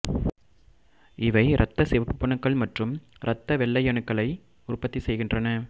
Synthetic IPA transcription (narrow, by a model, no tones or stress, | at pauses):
ɪʋɐɪɾʔɐt̪ːɐsɪʋɐpːɯpːɐɳɐkːɐɭmɐʈrɯm | ɾʔɐt̪ːɐʋɛɭːɐɪjɐɳɯkːɐɭɐɪ | ʊrpːɐt̪ːisɛjɣɪndrɐnɐ